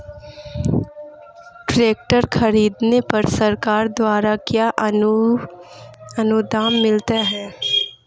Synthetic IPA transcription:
ʈɾeːk̚ʈəɾxɐɾiːd̪nepɐɾsɐɾkaːɾd̪waːɾakjaː | ɐnʊd̪aːmːɪlt̪aɦɛː

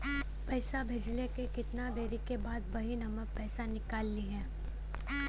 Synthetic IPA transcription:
pɛɪsabʱeːd͡ʒlekekɪt̪nad̪eːɾikebaːd̪bɐɦinɐmək̚pɛːsanɪkaːlːiɦɛ̃ː

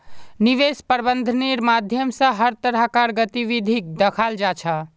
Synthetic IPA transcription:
niʋespəɾbənd̪ʱəniɾmad̪ʱjəmsə̃ɦəɾt̪əɾəɦkaɾɡət̪iʋid̪ʱik̚d̪əkʰald͡ʒat͡ʃʰə

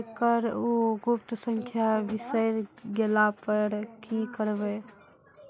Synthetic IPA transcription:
kəɾuɡup̚t̪əsə̃ŋkʰjabɪsəjɾɡelapəɾkikəɾbe

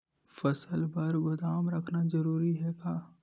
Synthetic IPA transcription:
fɐsəlbɐɾɡʊd̪aːmɾɐkʰnazɐɾuːɾiɦɛkaː

